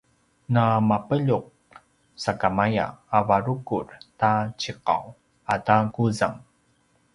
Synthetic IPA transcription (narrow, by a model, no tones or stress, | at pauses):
namapəʎuq̚ | sakamaja̰ːvaɾukurtat͡ɕiqa̰w | ataɡuzaŋ